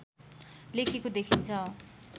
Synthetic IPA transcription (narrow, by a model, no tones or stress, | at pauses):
lekʰekod̪ekʰint͡sʰʌ